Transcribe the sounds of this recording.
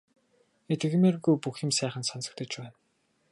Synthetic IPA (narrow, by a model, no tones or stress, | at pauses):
et̪ɘ̆ɣmeːrɣujpuxɪ̆msæːχə̆nsɔnsə̆kt̪ə̆t͡ɕpæːn